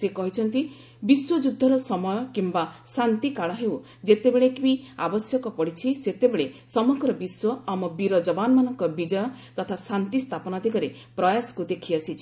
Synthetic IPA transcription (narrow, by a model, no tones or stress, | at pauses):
sekɔɦit͡ʃʰɔnt̪i | biswɔd͡ʒud̪ʱːɔɾɔsɔmɔjɔkimbasant̪ikaɭɔɦew | d͡ʒet̪ebeɭekbiabɔsjɔkɔpɔɽit͡ʃʰiset̪ebeɭesɔmɔɡɾɔbiswɔamɔbiɾɔd͡ʒɔbanmanɔŋkɔbid͡ʒɔjɔ | t̪ɔt̪ʰasant̪ist̪ʰapɔnad̪ʱikɔɾe | pɾɔjasɔ̥kud̪ekʰiasʰit͡ʃʰi